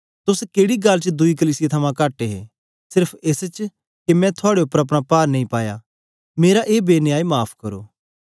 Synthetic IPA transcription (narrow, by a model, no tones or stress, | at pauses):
t̪ʊskeːɽiɡɐlt͡ʃd̪ʊikəliːsijet̪ʰɐmãkaːʈeɦḛ | sɪɾpʰeːst͡ʃ | kemɛ̃t̪ʰʊaːɽeɐpɾɐpɽ̃apaːɾnɐ̃ĩpaːja̰ | meːɾaʔeːbeːnjaːimaːpʰkɐɾo̰ː